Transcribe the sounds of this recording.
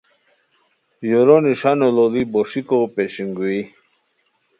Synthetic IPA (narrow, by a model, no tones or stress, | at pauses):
joɾoniʂanololiboʂikopeɕiŋɡui